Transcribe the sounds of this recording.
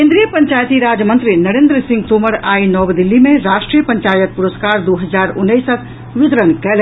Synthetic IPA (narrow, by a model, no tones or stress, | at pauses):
kẽnd̪ɾijəpəɲt͡ʃajt̪iɾad͡ʒjəmənt̪ɾinəɾend̪ɾəsĩŋɡt̪oməɾainɔbd̪ilːimẽɾasʈɾijəpəɲt͡ʃajət̪̚puɾəskaɾd̪oɦəd͡ʒaɾunːəisək | ʋɪt̪ɾənkɛl